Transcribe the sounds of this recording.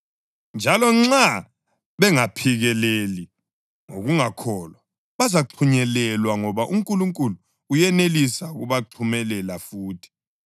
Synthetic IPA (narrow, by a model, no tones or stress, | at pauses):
nd͡ʒʱalɔŋ͡ǁa | βɛŋapʰiɣɛleli | ŋo̰ɣuŋakʰɔːlwa | βazaǃʰuɲɛlɛlwaŋɔβaʔuŋkʼuluŋkʼuluː | jɛnelisaɣuβaǃʰumɛlɛlafuːtʰi̥